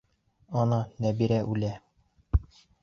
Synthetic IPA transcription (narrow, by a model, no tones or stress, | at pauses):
ɒnɑnæbiɾæʔʉlæ